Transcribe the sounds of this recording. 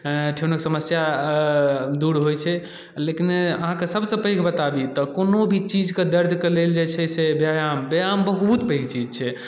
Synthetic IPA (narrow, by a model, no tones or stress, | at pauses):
ʈʰenəksəməsja | d̪uɾɦojt͡ʃʰɛ | lekinəɦãkesəbʱsə̃pəjkbət̪abit̪ɔkonobʱit͡ʃid͡ʒked̪əɾd̪ʱkeleld͡ʒet͡ʃʰɛsebjajambjambəɦut̪pəɪɡt͡ʃid͡ʒt͡ʃʰɛ